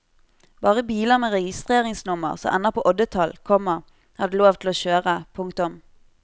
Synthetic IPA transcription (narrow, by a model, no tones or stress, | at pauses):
b̥ɑːʁəbiːləʁmeːʁɛɡɪst̪ʁeːʁɪŋsnʊmə̰ʁsɔ̰mʔɛnɑpʰoːʔɔd̪ət̪ʰɑlkʰɔmːəʁ | hɑd̪əloːʋt̪ʰl̩oːʃøːʁəpʰʊŋkt̪ʊm